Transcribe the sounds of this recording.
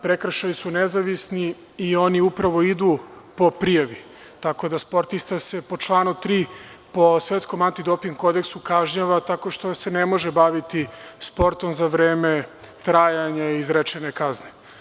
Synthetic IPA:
pɾe̞kɾʃajisunezaʋisni | io̞niupɾaʋo̞id̪uːpo̞pɾijaʋi | t̪ako̞d̪aspo̞ɾt̪ist̪ase̞po̞t͡ʃlˠaːnut̪ɾiːpo̞sʋe̞t̪sko̞mant̪id̪o̞piŋɡko̞d̪e̞ksukaʒɲaʋat̪ako̞ʃt̪o̞se̞ne̞mo̞ʒebaʋit̪ispo̞ɾt̪o̞mzaʋɾeːme | t̪ɾaːjaɲaizɾet͡ʃenekazne

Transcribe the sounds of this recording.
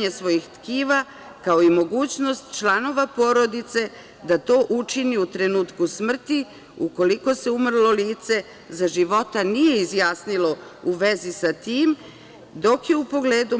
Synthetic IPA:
ɲesʋo̞jixt̪kiːʋa | kao̞imo̞ɡuːt͡ɕno̞st̪t͡ʃlˠano̞ʋapo̞ɾo̞d̪it̪se̞ | d̪at̪o̞ːʔut͡ʃiniut̪ɾe̞nuːt̪kusmr̩t̪i | uko̞liko̞se̞umr̩lˠo̞liːt̪se̞ | zaʒiʋo̞t̪anije̞izjaːsnilo̞uʋe̞zisat̪iːm | d̪o̞kje̞upo̞ɡle̞ːd̪u

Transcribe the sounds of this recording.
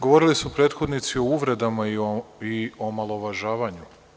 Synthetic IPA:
ɡo̞ʋo̞ɾilisupɾe̞ːt̪xo̞d̪nit̪sio̞uʋɾe̞d̪amaiio̞malˠo̞ʋaʒaːʋaɲu

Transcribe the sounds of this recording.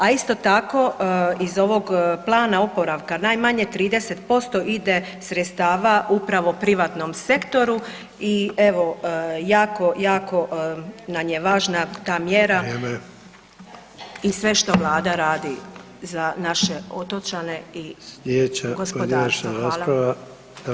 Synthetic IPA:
aist̪o̞t̪ako̞izo̞ʋo̞ɡplˠaːnaopo̞ɾaʋkanajmaɲet̪ɾiːd̪eset̪po̞st̪o̞ʔid̪e | sɾet̪st̪aːʋaupɾaʋo̞pɾiʋat̪no̞mse̞kt̪o̞ɾu | ie̞ʋo̞jaːko̞jaːko̞namjeʋaːʒnat̪aːmjeːɾaeme | isʋe̞ʃt̪o̞ʋlˠaːd̪aɾaːd̪i | zanaʃeot̪ot͡ʃaneijeːt͡ʃaɡosonʃnɾaːspɾaʋa | d̪̥a

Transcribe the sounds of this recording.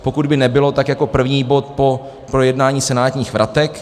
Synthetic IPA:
po̞kud̪bɪnɛbɪlo̞t̪akjako̞pr̩vɲiːbo̞t̪̚po̞ | pɾojɛdnaːɲiːsɛnaːt̪ɲiːxvɾʔat̪ɛk

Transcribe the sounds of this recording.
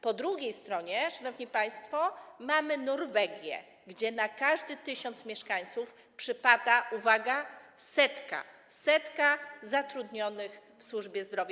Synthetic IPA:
pɔd̪ɾuɡʲejst̪ɾɔɲɛʂanɔvɲipaj̃st̪fɔmamɘnɔɾvɛɡʲjɛ̰ | ɡd͡ʑɛnakaʐd̪ɘt̪ɘɕɔnt̪smʲjɛʂkaɲ̃t̪suf | pʂɘpad̪aʔuvaɡasɛt̪ka̰ | sɛt̪kazat̪ɾud̪ɲɔnɘxfswuʐbʲjɛzd̪ɾɔvʲja

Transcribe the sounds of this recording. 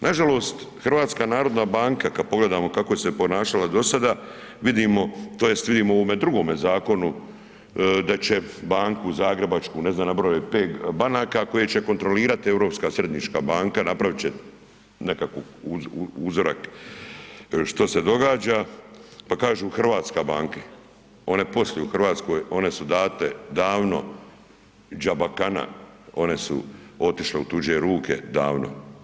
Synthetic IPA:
nʔaʒalo̞ːst̪ | xrʋaːt̪skanaːɾo̞d̪nabaːŋkakad̪̚po̞ɡle̞d̪aːmo̞kako̞ese̞po̞naːʃalad̪o̞sad̪a | ʋid̪imo̞t̪oːje̞st̪ʋid̪iːmooʋome̞d̪ɾuɡo̞ːme̞zaːko̞nu | d̪at͡ɕe̞baːŋkuzaːɡɾe̞bat͡ʃkuːne̞znaːmnabɾoepeːɡbanaːkako̞jet͡ɕe̞ko̞nt̪ɾo̞liːɾat̪ie̞ʋɾo̞pskaːsɾe̞d̪nit͡ʃka̰ːbaːŋkanapɾaʋit͡ɕe | ne̞kakouuzoɾʔa̰k | ʃt̪ose̞d̪o̞ɡaːd͡ʒapakaːʒuːxr̩ʋaːt̪skabaːŋke | o̞ne̞po̞sljeuxr̩ʋaːt̪sko̞ːjo̞ne̞sud̪aːt̪ed̪aːʋno̞̰ | d͡ʒabakana̰o̞ne̞sṵo̞t̪iʃleut̪ud͡ʑeɾuːkʰe̞̰d̪a̰ːʋno̰

